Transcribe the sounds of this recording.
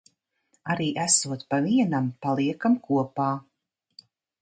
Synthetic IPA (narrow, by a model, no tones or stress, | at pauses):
aɾiːʔæsuɔt̪paviɛnampalˠiɛkamkʰuɔpaː